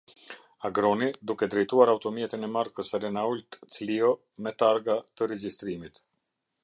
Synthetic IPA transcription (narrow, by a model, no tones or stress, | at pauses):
aɡɾɔnid̪ukɛd̪ɾɛjt̪uaɾawt̪ɔmjɛt̪inɛmaɾkəsɛɾɛnault̪t͡sliɔ | mɛt̪aɾɡat̪əɾɛd͡ʒist̪ɾimit̪